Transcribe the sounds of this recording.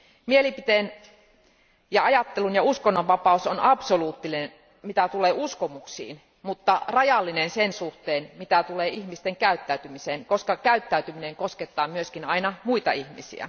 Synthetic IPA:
mielipit̪eːn | jɑɑjɑt̪ːelunjɑuskonːoʋʋɑpɑˑusonɑpsoluːt̪ːilinen | mit̪æt̪uleːuskomuksḭːn | mut̪ːɑrɑjɑlːinensensuht̪eːnmit̪æt̪uleːihmist̪eŋkæyt̪ːæyt̪ymiseːnkoskɑkæyt̪ːæyt̪ymineŋkosket̪ːɑːmyøskinɑinɑmuit̪ɑihmisḭæ̰

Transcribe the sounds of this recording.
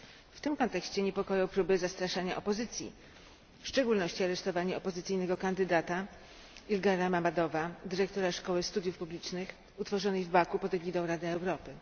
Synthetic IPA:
ft̪ɘmkɔnt̪ɛkɕt͡ɕɛɲɛpɔkɔjɔ̃wpɾubɘzast̪ɾaʂaɲaʔɔpɔzɘt̪sʲjḭ | fʂt͡ʂɛɡulnɔɕt͡ɕiaɾɛʂt̪ɔvaɲɛɔpɔzɘt̪sɘjnɛɡɔkand̪ɘd̪at̪a | ilɡaɾamamad̪ɔvad̪ɘɾɛk̚t̪ɔɾaʂkɔwɘst̪ud̪ʲjufpublʲit͡ʂnɘx | ut̪fɔʐɔnɘjvbakupɔd̪ɛɡʲid̪ɔ̃wɾad̪ɘɛwɾɔpɘ

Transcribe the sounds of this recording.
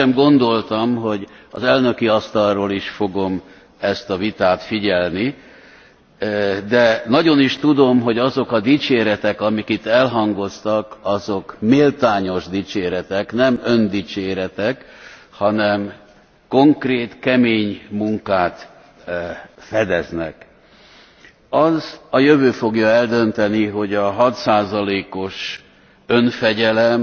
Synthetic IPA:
ɛmɡo̞nd̪o̞lt̪ɒmɦo̞ɟɒzɛlnø̞kiɒst̪ɒlroːliʃfo̞ɡo̞m | ɛst̪ɒvit̪aːt̪fiɟɛlni | d̪ɛnɒɟo̞niʃt̪ud̪o̞mɦo̞ɟɒzo̞kɒd̪iːt͡ʃeːɾɛt̪ɛkɒmikit̪ːɛlɦɒŋɡo̞st̪ɒkɒzo̞kmeːlt̪aːɲo̞ʒd̪iːt͡ʃeːɾɛt̪ɛknɛmø̞nd̪iːt͡ʃeːɾɛt̪ɛkhɒnɛm | ko̞ŋkreːt̪kɛmeːɲmuŋkaːt̪ | fɛd̪ɛznɛ̰k | ɒzɒjøvøːfo̞ɡjɒɛld̪ø̞nt̪ɛniɦo̞ɟɒɦɒt̪saːzɒleːko̞ʃ | ø̞nfɛɟɛlɛm

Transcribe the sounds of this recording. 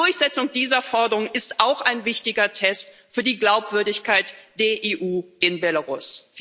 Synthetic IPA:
ʊɐçz̥ɛt͡sʊŋdiːzɐfɔɐdəʁʊŋəɪstʔaʊxaɪnvɪçtɪɡɐtʰɛstfyːɐdiːɡlaʊpv̥ʏɐdɪçkaɪtd̥eːɐʔeːʔuːɪnbɛlaʁʊs

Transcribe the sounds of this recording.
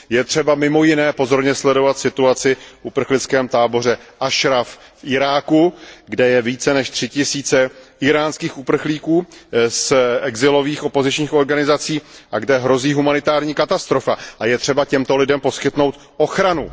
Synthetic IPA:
jɛt̪r̝̥ɛbamɪmo̞jɪnɛːpo̞zo̞ɾɲɛslɛdo̞vat̪sɪt̪uat͡sɪfupr̩xlɪt͡skɛːmt̪aːbo̞r̝ɛʔaʃɾaffʔɪɾaːkuɡdɛjɛviːt͡sɛnɛʃt̪r̥ɪcɪsiːt͡sɛɪɾaːnskiːxupr̩xliːkuːsʔɛɡzɪlo̞viːxo̞po̞zɪt͡ʃɲiːxo̞ɾɡanɪzat͡siːʔaɡdɛɦɾo̞ziːɦumanɪt̪aːɾɲiːkat̪ast̪ɾo̞faajɛt̪r̝̥ɛbacɛmt̪o̞lɪdɛmpo̞skɪt̪no̞wt̪ | o̞xɾanu

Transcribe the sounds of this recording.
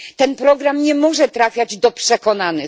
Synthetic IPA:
t̪ɛnpɾɔɡɾamɲɛmɔʐɛt̪ɾafʲjad͡ʑd̪ɔpʂɛkɔnanɘ

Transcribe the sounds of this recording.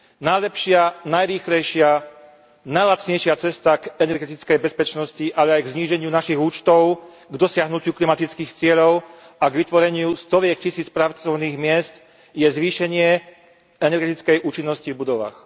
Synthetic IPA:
najlɛpʃɪanajɾiːxlɛjʃɪa | najlat͡sɲɛjʃɪat͡sɛst̪akɛnɛɾɡɛt̪it͡skɛjbɛspɛt͡ʃnɔsciʔalɛajɡzɲiːʒɛɲɪunaʃiɣuːt͡ʃt̪ɔʊ | ɡd̪ɔsɪaɦnucuklimat̪it͡skiːxt͡sɪɛʎɔʊ | aɡʋit̪ʋɔɾɛɲɪust̪ɔʋjɛkcisiːt͡spɾat͡sɔʊniːɣmɪɛst̪ | jɛzʋiːʃɛɲɪɛ | ɛnɛɾɡɛt̪it͡skɛjʔuːt͡ʃinːɔscivbud̪ɔʋa̰ːx

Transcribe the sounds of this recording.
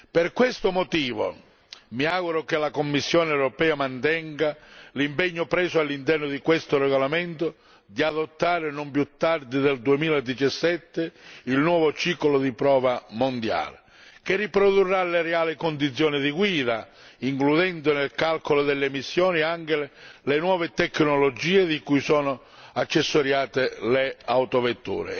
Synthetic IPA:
pɪrkwɪst̪ʊmɔt̪iːvo̰ | miaːɣuɾʊkɪlakomːisːjɔːnɪɛwɾɔpɛːamant̪ɛŋɡalimpɛɲːʊpɾɛːsʊalːint̪ɛrnʊd̪ikwest̪ʊrɛɣolamɛnt̪ʊ | d̪iaðot̪ːaːɾɪnʊmpjut̪ːard̪ɪd̪eld̪uemiːlaed̪ːit͡ʃasːɛt̪ːɪilnwɔːvʊt͡ʃiːkolʊd̪ipɾɔːvamond̪ja̰ːlɪ | k̟ɪrːipɾoðurːaleɾeaːlɪkʊnd̪it̪sːjɔːnɪðiɡwiːða | iŋkluðɛnd̪ʊnɪlkalkolʊd̪elːemisːjɔːniaŋkɪllenwɔːvɪt̪ɛkːnolɔd͡ʒiːed̪ikujsɔːnʊ | at͡ʃːɛsːoɾjaːt̪ɪleawt̪ovet̪ːṵːɾɪ̰

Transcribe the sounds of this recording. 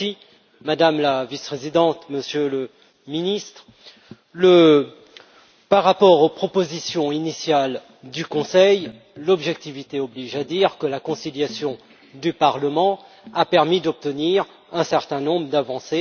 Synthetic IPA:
i | mad̪amlavispχezid̪ɑ̃t̪məsjølə | minist̪χ | lə | paʁːapɔʁopχɔpozisjɔ̃inisjal | d̪ykɔ̃sɛj | lɔbʒɛk̚t̪ivit̪eɔbliʒad̪iʁkəlakɔ̃siljasjɔ̃ | d̪ypaʁləmɑ̃ | apɛʁmid̪ɔp̚t̪əniʁ | ɛ̃sɛʁt̪ɛ̃nɔ̃bʁəd̪avɑ̃se

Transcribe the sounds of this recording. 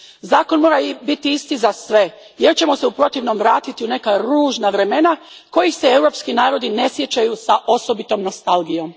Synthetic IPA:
zaːko̞nmo̞ɾabit̪iist̪izasʋe̞ | jeɾt͡ɕe̞mo̞se̞upɾo̞t̪iʋnomʋɾaːt̪it̪iune̞kaɾuːʒnaʋɾe̞me̞na | ko̞jixse̞ewɾo̞pskinaːɾo̞d̪ine̞sje̞t͡ɕajusaʔo̞so̞bit̪o̞mno̞st̪alɡijo̞m

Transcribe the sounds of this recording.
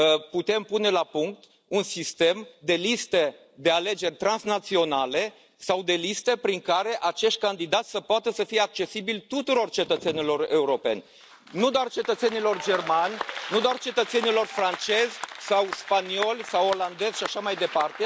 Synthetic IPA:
put̪e̞mpune̞lapuŋk̚t̪ | unsist̪e̞md̪e̞list̪e | d̪e̞ale̞d͡ʒe̞rʲt̪ɾansnat̪sio̞nale̞ | sawd̪e̞list̪epɾiŋkaɾe̞ʔat͡ʃe̞ʃt̪̚ʲkand̪id̪at̪sʲsəpoat̪əsəfijeak̚t͡ʃe̞sibilt̪ut̪uɾo̞rt͡ʃe̞t̪ət̪se̞nilo̞re̞uɾo̞pe̞̰nʲ | nud̪oart͡ʃe̞t̪ət̪se̞nilo̞rd͡ʒe̞rmanʲnud̪oart͡ʃe̞t̪ət̪se̞nilo̞rfɾant͡ʃe̞zʲsawspanio̞lʲsawoland̪e̞z̥ʲʃiaʃamajd̪e̞part̪e

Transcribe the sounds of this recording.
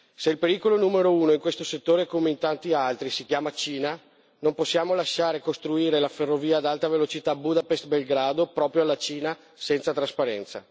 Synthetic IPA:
seilpeɾiːkolonuːmeɾouːnoiŋkwest̪oset̪ːoːɾekomeint̪ant̪ialt̪ɾisikjaːmat͡ʃiːna | nomposːjaːmolaʃaːɾekost̪ɾuiːɾelaferːoviːad̪alt̪avelot͡ʃit̪abud̪apest̪̚belɡɾaːd̪opɾɔːpɾjoalːat͡ʃiːna | sɛnt̪sat̪ɾaspaɾɛnt̪sa̰

